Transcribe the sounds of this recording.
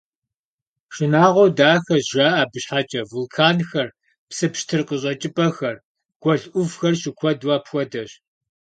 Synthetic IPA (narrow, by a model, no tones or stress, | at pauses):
ɕɪnaːʁʷɔwdaːxɐzʒaːʔabɨɕħat͡ʃʼɐvulkʰaːnxɐr | psɨpʃtʰɨrqəɕʼɐt͡ʃʼɪpʼɐxɐr | ɡ̥ʷɔɮʔʷʊvxɐrɕɪkʷʰɔdwaːpxʷɔdɐɕ